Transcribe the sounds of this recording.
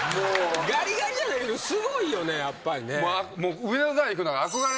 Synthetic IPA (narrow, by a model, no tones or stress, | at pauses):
moɡaɾʲiɡaɾʲidanaked̪osɨɡoijo̞nejapːaɾʲinemoamoːɯ̟minazaiikɯnaɾaakoɡaɾ